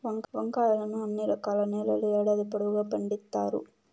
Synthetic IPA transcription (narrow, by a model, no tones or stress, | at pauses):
ʋɐŋɡʋɐŋɡaːjɐnɐnːɯ̃ɐnːiɾɐkːaːlɐneːlɐlɐjaːɽɐɐðɯpːɐɽɯɣɐpɐɳɖɪt̪ːa̰ːɾɯ̰